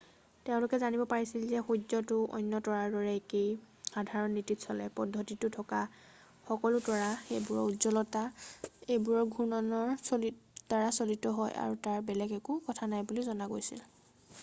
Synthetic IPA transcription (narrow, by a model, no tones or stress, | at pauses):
teʊ̃lʊkɛzanibɔpaɹisilzɛxuɔtʊʔɔ̰jnːɔtɔɹaɹdɔɹɛkej | xadʱaɹɔnːititsɔlɛ̰pɔdʱːɔtitʊtʰɔka | xɔkɔlʊtɔɹaxejbuɹɔudzɔlɔtaejbuɹɔɹɡʱunɔnɔɹ | taɹasolitɔɦɔ̰ja̰ɹutaɹbɛlɛɡɛkukɔtʰanajbulizɔnaɡojsḭl